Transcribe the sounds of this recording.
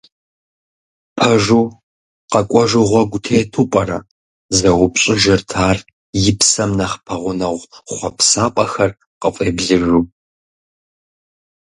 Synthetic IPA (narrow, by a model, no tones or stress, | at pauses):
pʰɐʒuː | qɐkʷʼɔʒʊʁʷɔɡʷʊtʰeːtʰuːpʼɐɾɐ | zɐwʊpɕʼɪʒɐrtʰaːr | jɪpsɐmnɐχpʰɐʁʷʊnɐʁʷχʷɔpsaːpʼɐxɐr | qəfʼeːbɮɨʒʷuː